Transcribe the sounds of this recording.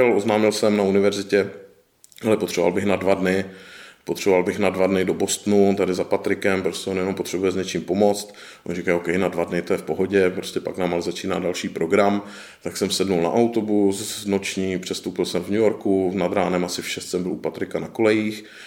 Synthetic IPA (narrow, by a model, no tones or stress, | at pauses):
ɛlʔoznaːmɪlsɛmnaunɪvɛɾzɪcɛ | alɛpot̪r̥ɛboalbɪxnadvadnɪpot̪r̥ɛbovalbɪxnadvadnɪdobo̞st̪nut̪adɪzapat̪ɾɪkɛmpɾoscʲɛʔonjɛno̞mpot̪r̝̥ɛbujɛzɲɛt͡ʃiːmpo̞mo̞t͡st̪ | ʔonrikajokɛjnadvadnɪt̪ojɛfpoɦo̞ɟɛpɾoscɛpa̰knaːmalɛzat͡ʃiːna̰ːdalʃiːpɾo̞ɡɾam | t̪aksɛmsɛdnulna̰ʔawt̪o̞busnot͡ʃɲiːpr̥ɛst̪owpɪlsɛmvɲujoɾkunad̪ɾaːnɛmasɪfʃɛst̪sɛmbɪlupat̪ɾɪkanakolɛjiːx